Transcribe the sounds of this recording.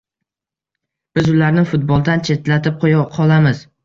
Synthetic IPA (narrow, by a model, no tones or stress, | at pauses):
b̥ɪzʊlaɾnɪfʊt̪̚bɒlˠd̪ant͡ʃʰe̞t̪lat̪ʰɪp̚qʰojɑqʰɒlˠamɪz